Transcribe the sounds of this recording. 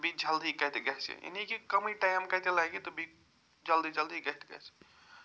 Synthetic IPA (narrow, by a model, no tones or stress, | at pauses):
bʱid͡ʒəld̪ikəjt̪eɡəɦt͡ʃɛ̰jḛnikikəmiʈajmkəjt̪elaɡet̪obʱi | d͡ʒəld̪id͡ʒəld̪iɡəɦt̪ɡə̰t͡ʃɛ̥